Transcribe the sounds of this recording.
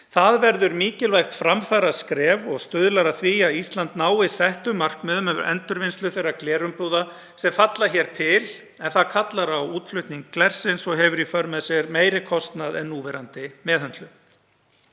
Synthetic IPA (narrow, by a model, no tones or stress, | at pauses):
θaðvɛɾðʏɾmiːcɪlvajxt̪fɾamfaɾaskɾɛːvɔɣst̪ʏðlaɾaðθviːjaist̪lant̪naːwɪsɛht̪ʏmar̥kmɛðʏmœvʏ̰ɾʔɛ̰nt̪ʏɾvɪnst̪lʏfejɾaklɛːɾʏmpuːða | sɛmfat̪laçɛːɾ̥t̪ʰɪl | ɛnθaðkʰat̪laɾawuːt̪flʏht̪niŋkːlɛr̥sɪnsɔɣɦɛvʏɾifœɾmɛðsjɛɾmeːjɾɪkʰɔst̪naðɛnːuːvɛɾant̪ɪmɛːðhœnt̪lʏ